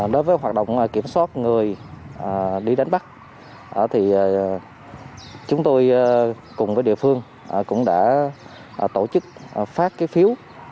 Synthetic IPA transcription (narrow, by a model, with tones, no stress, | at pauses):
ɗo˨˦jvəː˨˦jɦwaː˨˩ɗo̰˧˨wŋ͡mːki˧˩əmswaː˦˥t̚ŋɨ˨˩əjʔə˨˩ɗi˧ɗa˨˦jŋ̟ɓa˦˥k̚ | ʔəː˧˩t̪ʰi˨˩˨ | t͡ɕʊ˨˦ŋ͡mt̪o˧j | kʊ˨˩ŋ͡mvəː˨˦jɗḭ˧˨əfɨ˧əŋ | ʔkʊ̰˧˥ŋ͡mɗa̰ː˧˥ | ʔt̪o˧˩t͡ɕɨ˦˥k̚ːfaː˦˥k̚kaː˨˦jfi˨˦əw